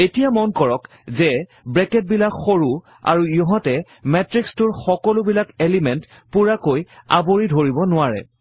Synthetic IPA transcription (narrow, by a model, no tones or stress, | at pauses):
etijamɔnkɔɹɔk | zɛ | bɹɛkɛt̚bilakxoɹu | a̰ɹujɔɦɔtɛ | mɛtɹikstʊɹxɔkɔlʊbilakelimɛnt | puɹakoja̰boɹidʱoɹibɔnʊaɹɛ̰